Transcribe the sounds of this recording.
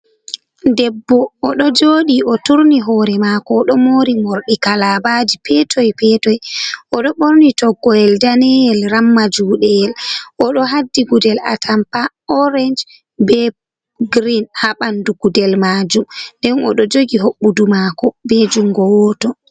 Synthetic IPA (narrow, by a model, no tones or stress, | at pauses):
dɛbːɔʔːɗɔd͡ʒoɗiʔɔtuɾniɦɔɾɛmakɔɗɔmoɾimoɾɗikalabad͡ʒipʰɛtʰɔjpɛtɔjʔɔɗɔɓoɾnitɔɡɔɛldanɛjɛlɾamːad͡ʒuːɗɛɛlʔɔɗɔɦadːiɡudɛla̰tʰampa | ɔɾɛnd͡ʒ | bɛ | ɡɾinhaɓanduɡ̥udɛlmad͡ʒumndɛnɔ̰ɗɔd͡ʒoɡiɦoɓːudumakɔbɛd͡ʒuŋɡɔwɔtɔ